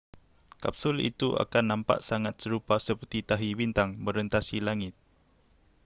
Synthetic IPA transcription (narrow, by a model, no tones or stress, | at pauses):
kapsʊlḭt̪uʔa̰kanːampa̰ʔsaŋat̪̚səɾupasəpərt̪it̪aɦiwint̪aŋməɾənt̪asilaŋɪt̪̚